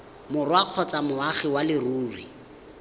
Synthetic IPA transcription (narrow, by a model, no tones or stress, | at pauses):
mʊrwaq͡χʰɔt͡samʊaχɪwalɪruːrwḭ